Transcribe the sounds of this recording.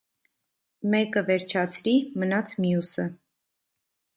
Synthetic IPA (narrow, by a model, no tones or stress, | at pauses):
mɛkəvɛɾt͡ʃʰɑt͡sʰɾimənɑt͡sʰmjusə